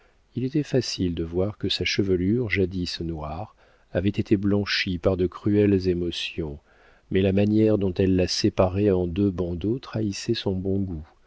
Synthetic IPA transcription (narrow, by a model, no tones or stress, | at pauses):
ilet̪ɛfasild̪əvwaʁkəsaʃəvəlyʁʒad̪isnwaʁ | avɛt̪et̪ʰeblɑ̃ʃipaʁd̪əkχyɛlzemɔsjɔ̃ | mɛlamanjɛʁd̪ɔ̃t̪ɛlːasepaʁɛɑ̃d̪øbɑ̃d̪ot̪χaisɛsɔ̃bɔ̃ɡu